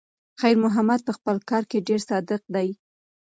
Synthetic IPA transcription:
xajɾmʊɦamad̪̚pəxpəlkɑɾkeɖeɾsɑd̪ɪq̚d̪aj

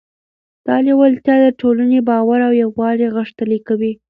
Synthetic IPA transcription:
d̪̥ɑliwəlt̪jɑd̪əʈolanebɑwaɾawjawwɑɽeɣəʂt̪əlikawi

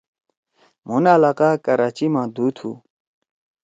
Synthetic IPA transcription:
munaːlaːqaːkɐɾaːt͡ɕimãːd̪uːt̪ʰhṵ

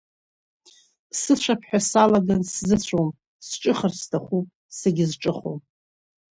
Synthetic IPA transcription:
sɨt͡ɕʷʰapʰħᶣasalaɡanszɨt͡ɕʷʰom | sʈ͡ʂʼɨχərstʰaχʷupʼ | seɡʲɪzʈ͡ʂʼɨχo̰m

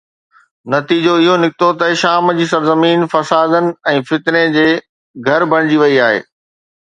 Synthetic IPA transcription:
nɐt̪iːd͡ʑoɪɦonɪkɪt̪ot̪ɐʃaːmd͡ʑiːsɐɾzəmiːnfɐsaːd̪ənɪ̆ɛ̃ːfɪt̪ned͡ʑeː | ɡʱɐɾbʱɐɽ̃d͡ʑiʋɐiaːɦḛː

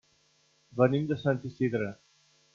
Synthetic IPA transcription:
bənimd̪əsant̪isid̪ɾə

